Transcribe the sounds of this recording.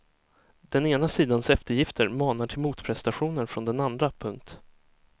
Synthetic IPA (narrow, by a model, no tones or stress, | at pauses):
d̪̥ɛneːnasiːd̪ansɛft̪əɾjɪft̪ʰəɾmɑːnaʈʰɪlmuːt̪pʰɾɛst̪aɧuːnənfɾɔnd̪ɛnand̪ɾapʰɵŋkt̪